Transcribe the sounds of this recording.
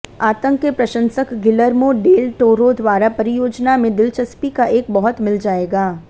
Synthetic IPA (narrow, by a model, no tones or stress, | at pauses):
aːt̪ə̃ŋkepɾɐʃə̃nsəkɡɪləɾmoɖeːlʈoːɾod̪waːɾapɐɾɪjoːd͡ʒnamẽd̪ɪlt͡ʃəspikaʔeːkbɐɦʊt̪mɪld͡ʒaːeːɡaː